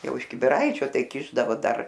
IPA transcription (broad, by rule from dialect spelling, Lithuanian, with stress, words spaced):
ˈjɛʊ ɪʃ kʲɪbʲɪˈrɐɪt͡ʃʲoː ˈtɐɪ ˈkʲɪʒdɐʋoː ˈdɐr